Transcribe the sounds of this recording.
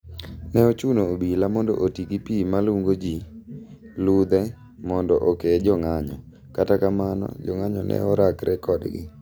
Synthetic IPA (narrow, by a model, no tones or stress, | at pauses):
nɛot͡ʃunoːbilamɔndɔ̰ʔotiɡipimaluŋɡod͡ʒi | lud̪ɛ | mɔndɔʔoked͡ʒɔŋaɲɔ̰ | katakamanɔ̰d͡ʒɔŋaɲɔnɛ̰ɔɾakɾɛkɔdɡɪ̰